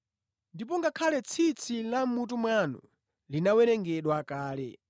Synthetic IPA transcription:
ndip̬ɔŋɡakʰalɛt͡sʰit͡sʰilam̩mut̬umwanṵ | linawɛɾɛŋɡɛɗwakaːlɛ̰

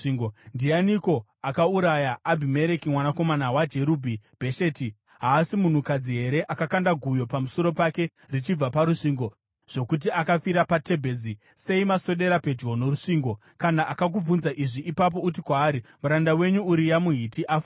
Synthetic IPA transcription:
ɡondianiko̞ | akauɾajaːbʱime̞ɾe̞kimwanako̞manawad͡ʒe̞ɾubʱib̥ʱe̞ʃeːti | ɦaːsimun̤ukad͡ziɦe̞ɾe̞ʔakakandaɡʱujo̞pamuso̞ɾo̞pake̞ | rit͡ʃib͡vapaɾuʂiːŋɡo̞ | ʐ̥o̞kut̬iakafiɾapate̞bʱe̞ːzi | se̞imaso̞ɗe̞ɾape̞d͡ʒɣo̞no̞ɾuʂiːŋɡo̞ | kanaʔakak̬ub͡vunzaʔiʐiʔipap̬o̞ut̬ikwaːɾimuɾandawe̞ɲuuɾijamuɦitiʔaf

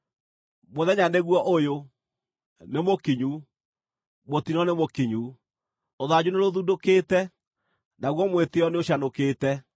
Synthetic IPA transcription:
moðɛɲaneɣwɔʔojo | nemokiɲu | motinɔnemokiɲu | oðad͡ʑuneɾoðudokeːtɛ | naɣwɔmweteɔneoɕanokeːtɛ

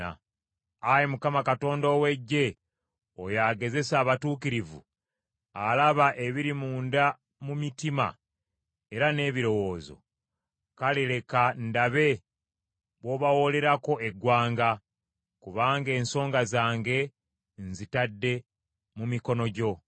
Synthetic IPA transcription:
ajemukamakato̞ːndoːwe̞ɟːe̞ | ojaːɡe̞ze̞saːβatuːkiɾivṵ | alaβaʔe̞βiɾimuːnda | mumitima̰ | e̞ɾane̞ːβiɾo̞wo̞ːzo̞̰ | kaliɾe̞kandaβe̞ | βwo̞ːβawo̞le̞ɾako̞ʔeɡwaːŋɡa | kuβaːŋɡe̞ːnso̞ːŋɡazaːŋɡe̞ | nzitadːe̞ | mumiko̞no̞ɟo̞

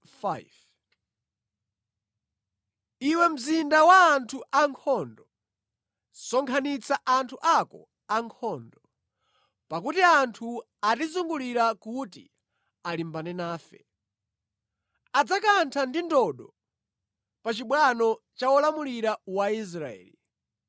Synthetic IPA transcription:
fv | iwɛm̩zindawaːntʰuʔaŋkʰɔndɔ | sɔŋkʰanit͡saʔantʰuʔakɔ̰ | aŋkʰɔːndɔ | pakutiantʰu | atizuŋɡuliɾakuti | alimbanɛnaːfɛ̰ | ad͡zakantʰandindɔɗɔ | pat͡ʃiɓwanɔ | t͡ʃawɔlamuliɾawais̬ɾaɛ̰ːli

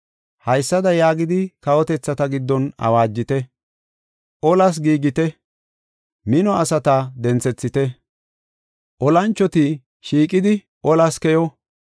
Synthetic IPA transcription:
hɐjsːɐd̪ɐjaːɡɪd̪ɪkɐwɔt̪ɛt͡sːɐt̪ɐɡɪd̪ːɔnɐ̰waːd͡ʒːɪt̪ɛ | ʔɔlɐs̬ɡiːɡɪt̪ɛ | mɪnɔɐsɐt̪ɐd̪ɛnt͡sɛt͡sːɪt̪ɛ | ʔɔlɐnt͡ʃːɔt̪i | ʃiːkʼɪd̪ɪ | ʔɔlɐskɛjɔ

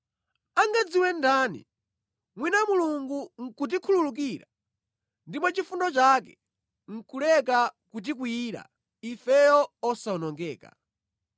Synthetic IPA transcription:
aŋɡad͡ziwɛndaːnḭ | mwinamuluŋɡuŋ̩kut̬ikʰululuk̬iːɾa | ndimɔt͡ʃifundɔt͡ʃaːkɛ̥ | ŋ̩kulɛk̬akut̬ik̬wiːɾa̰ | ifɛjɔɔsaɔnɔŋɡɛːka̰

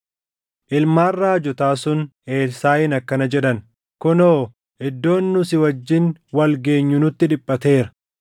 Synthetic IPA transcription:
ʔɪlmaːrːaːd͡ʒɔt̪aːsʊne̞ːlsaːjɪnɐkːɐnɐd͡ʒɛᶑɐn | kʊnoː | ɪd̪ːo̞ːnːʊsɪwɐd͡ʒːɪnwɐlɡe̞ːɲːʊnʊt̪ːɪᶑɪpʼːɐt̪e̞ːɾɐ̥

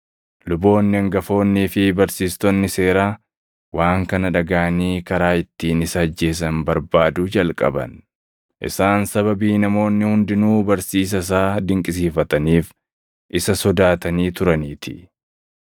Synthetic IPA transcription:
lʊbo̞ːnːɪɐŋɡɐfo̞ːnːiːfɪbɐɾsiːst̪ɔnːɪse̞ːɾaː | waːŋkɐnɐᶑɐɡaːɐniːkɐɾaːɪt̪ːiːnɪsɐːd͡ʒːe̞ːs̬ɐnbɐɾbaːd̪ʊd͡ʒɐlkʼɐ̰bɐ̰n | ʔɪ̰saːnsɐβɐbiːnɐmo̞ːnːɪhʊnd̪ɪnuːbɐɾsiːs̬ɐs̬aːd̪ɪŋkʼɪs̬iːfɐt̪ɐniːf | ʔɪsɐsɔd̪aːt̪ɐniːt̪ʊɾɐniːt̪ʰɪ̥

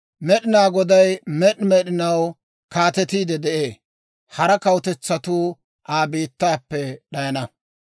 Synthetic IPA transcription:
mɛɗɪnaːɡɔd̪ɐjmɛɗmɛɗɪnɐw | kaːt̪ɛt̪iːd̪ɛd̪ɛʔe̞ː | hɐɾɐkɐwʊt̪ɛt͡sːɐt̪uː | ʔaːbiːt̪ːaːpːɛɗɐjɐnɐ

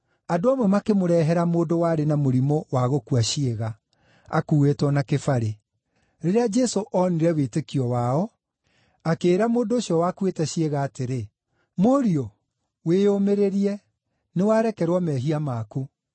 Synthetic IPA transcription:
adoamwɛmakemoɾɛɦɛɾamoːndowaɾenamoɾimɔwaɣokuaʃeɣa | a̰kuwetwɔnakefaɾe | ɾeɾead͡ʒɛsoʔɔniɾɛwetekiɔwaɔ | akeːɾamoːndoːɕjɔwakwetɛɕeɣaːteɾe | moɾiɔ | weːomeɾeɾiɛ | newaɾɛkɛɾwɔmɛːɦiamaku

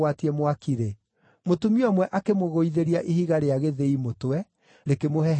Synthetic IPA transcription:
watiɛmwakiɾe | motumiɔmwɛʔakemoɣoiðeɾiaʔihiɣaɾeaɣeðeimotoɛ | ɾekemoɦɛ

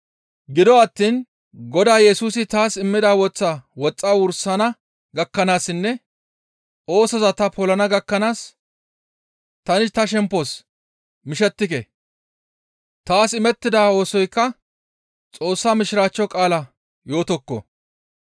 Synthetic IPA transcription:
ɡɪd̪ɔɐt̪ːiːn | ɡɔd̪aːjɛsuːsɪt̪aːsɪmːɪd̪aːwɔt͡sːawɔt͡sʼːaːwʊɾsɐnɐ | ɡɐkːɐnaːsɪnːɛ | o̞ːsɔzɐt̪ɐpʰɔlɐnɐɡɐkːɐnaːs | t̪ɐnɪt̪ɐʃ̬ɛmpːɔs | mɪʃɛt̪ːɪkɛ̰ | t̪aːsɪmɛt̪ːɪd̪aːo̞ːsɔjkːɐ | t͡sʼo̞ːsːaːmɪʃɪɾaːt͡ʃːɔkʼaːlɐ | jo̞ːt̪ɔkːɔ̰

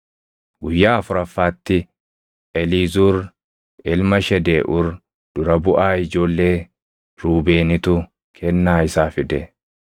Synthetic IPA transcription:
ɡʊjːaːɐfʊɾɐfːaːt̪ːɪ | ʔɛliːzuɾ | ɪlmɐʃɛd̪eːʔʊɾ | d̪̥ʊɾɐbʊʔaːɪd͡ʒo̞ːlːe̞ː | ɾuːbeːnɪt̪ʊ | kʰɛnːaːɪsaːfɪd̪ɛ

